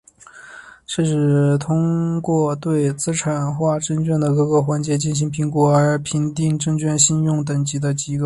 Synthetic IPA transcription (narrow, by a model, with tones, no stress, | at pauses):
ʈ͡ʂ̩˥˧ʂɻ̩˥˩t̪ʰʊ˥ŋkwɔ˥˧t̪we˥˩ɪt͡sɹ̩˥ʈ͡ʂʰa˨˩nxwa˥˩ʈ͡ʂə˥ŋt͡ɕɥɛ˥˩nd̪ə˩kɤ˧˥kɤ˧˥xwa˧˥nt͡ɕjɛ˧˥t͡ɕi˥˩nɕ̬i˧˥ŋpʰi˧˥ŋkwɔ˧˥ə˞˧˥pʰi˧˥ŋt̪i˥˧ŋʈ͡ʂɤ˥˧ŋt͡ɕɥɛ˥˧nɕi˥˧njʊ˥˩ŋt̪ə˨˩ŋt͡ɕi˧˥d̪ə˧t͡ɕi˧˥ɡə˧